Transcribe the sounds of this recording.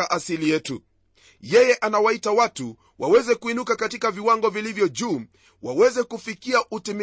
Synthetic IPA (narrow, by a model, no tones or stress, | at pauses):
aʔasilijɛtṵ | jɛjɛʔanawaitawatu | wʔawɛzɛkuinukakatikaviwaŋɡɔvilivjɔʄuː | wawɛzɛkufikiaʔutim